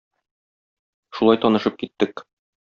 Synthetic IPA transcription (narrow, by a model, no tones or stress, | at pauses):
ʃulɑjt̪ɒnɤ̆ʃɤp̚kit̪ːɘk